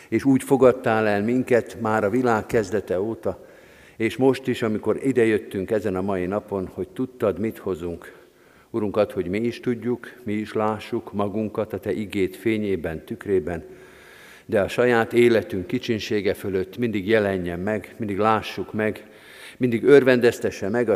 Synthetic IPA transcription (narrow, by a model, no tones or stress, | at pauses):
eːʃuːcfo̞ɡɒt̪ːaːlɛlmiŋkɛt̪maːɾɒvilaːkːɛzd̪ɛt̪ɛoːt̪ɒ | eːʃmo̞ʃt̪iʃɒmiko̞ɾid̪ɛjø̞t̪ːyŋkɛzɛnɒmɒjinɒpo̞nho̞ct̪ut̪ːɒd̪mit̪ho̞zuŋk | uɾuŋkɒt̪ho̞ɟmiiʃt̪uɟːukmiiʃlaːʃːukmɒɡuŋkɒt̪ɒt̪ɛʔiɡeːt̪feːɲeːbɛnt̪ykreːbɛn | d̪ɛɒʃɒjaːt̪eːlɛt̪yŋkːit͡ʃinʃeːɡɛfø̞lø̞t̪ːmind̪iɡjɛlɛɲːɛmːɛɡmind̪iɡlaːʃːukmɛɡ | mind̪iɡørvɛnd̪ɛst̪ɛʃːɛmɛɡɒ